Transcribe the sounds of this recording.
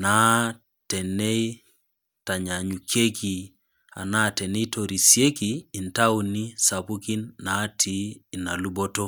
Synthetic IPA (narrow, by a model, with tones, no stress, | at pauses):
na˦ | tɛ˨ne˦i˦ | ta˨ɲa˨ɲu˨kʰe˦ki˨ | a̰˨na˦˨tɛ˨ne˦to˨ɾi˨sje˦kiː˨nta˦u˨ni˦sa˨pu˦ki˦nːa˨˦tʰiː˨˦˨na˨lu˦bo˦to˦